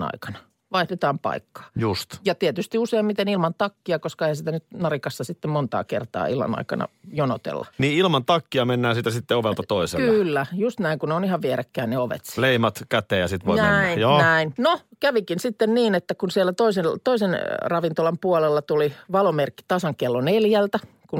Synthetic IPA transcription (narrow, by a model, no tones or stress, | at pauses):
ɑ̰ikɑ̥nɑ | ʋɑihdet̪ɑːmpɑ̰ikːɑ̥ːjust̪jɑt̪iɛt̪yst̪iuseimmit̪enilmɑnt̪ɑkːiɑkoskɑehænsit̪ænyt̪nɑrikɑsːɑsit̪ːemmont̪ɑ̰ːkḛrt̪ɑ̰ːilmɑ̰nɑ̰ikɑ̰nɑ̰jonot̪ḛlːɑ̰niːilmɑnt̪ɑkːiɑmenːæːsiːt̪æsit̪ːeoʋelt̪ɑt̪oisḛlkːylːæjust̪næiŋkuneonihɑʋʋieɾekːæːnneoʋḛt̪sleimɑt̪kæt̪ˑeːjɑsit̪ʋo̰ninjoːnæinnokæʋikinsit̪ːenniːnet̪ːækunsiɛlːˑæt̪oiselt̪oisenrɑʋint̪olɑmpuɑlelːɑt̪uliʋɑlomerkːi̥t̪ɑsɑŋkelːoneljælt̪æ | kun